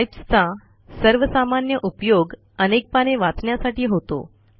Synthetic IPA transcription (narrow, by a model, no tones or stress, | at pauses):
jpst͡sa | səɾʋəsamanjəʔupjoɡ | ənek̚paɽ̃eʋat͡sɳjasaʈiːɦot̪o̰